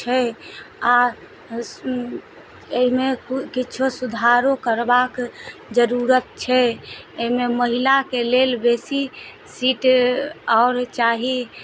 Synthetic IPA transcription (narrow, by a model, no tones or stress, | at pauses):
t͡ʃʰɛ | a | eimekkit͡ʃʰosud̪ʱaɾokəɾbakd͡ʒəɾuɾət̪̚t͡ʃʰɛememəɦilakelelbesi | siːʈ | ɔːɾt͡ʃaɦi